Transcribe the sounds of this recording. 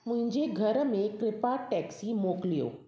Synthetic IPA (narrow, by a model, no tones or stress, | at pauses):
mʊ̃ɦɪ̃ɲd͡ʑeɡʱəɾmẽkɾɪpaʈɛksimoːklijo̰ː